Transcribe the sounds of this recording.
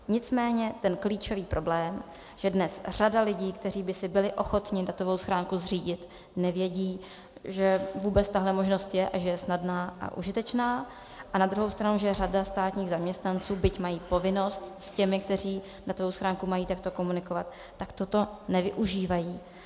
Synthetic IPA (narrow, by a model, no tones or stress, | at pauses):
ɲɪt͡smɛːɲɛt̪ɛnkliːt͡ʃo̞viːpɾʔo̞blɛːm | ʒ̥ɛdnɛsr̝̥adalɪɟiːkt̪ɛriːbɪsɪbɪlɪʔo̞xo̞t̪ɲɪdat̪o̞vo̞wsxɾaːŋkuzriːɟɪt̪ | nɛvjɛɟiː | ʒɛvuːbɛt͡st̪aɦlɛmo̞ʒno̞st̪jɛʔaʒɛjɛsnadnaːʔa̰ʔṵʒɪt̪ɛt͡ʃnaː | ʔanad̪ɾuɦowst̪ɾanuʒɛradast̪aːt̪ɲiːɣzamɲɛst̪nant͡suːbɪcmajiːpo̞vɪno̞st̪scɛmɪkt̪ɛr̝iː | dat̪ovowsxɾaːŋkumajiːt̪akt̪oko̞munɪko̞vat̪ːakt̪ot̪o̞nɛvɪʔuʒiːvajiː